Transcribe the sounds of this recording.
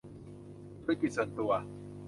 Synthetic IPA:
t̪ʰu˧˥˦ki˨t̪̚su˨˩ə˦nt̪u˧˩ɐ

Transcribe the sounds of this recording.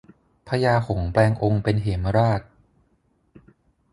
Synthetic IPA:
pʰa˧jaː˧kʰo˩˦ŋplɛː˧ŋʔo˧ŋpe˧nɦe˩˦mɾaː˥˩t̪̚

